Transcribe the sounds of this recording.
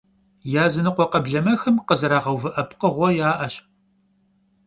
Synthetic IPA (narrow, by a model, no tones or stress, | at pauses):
jaːzɨnɨqʷɔqɐbɮɐmɐxɨmqəzɨɾaːʁɐwvɨʔɐpʰqəʁʷɔjaːʔɐɕ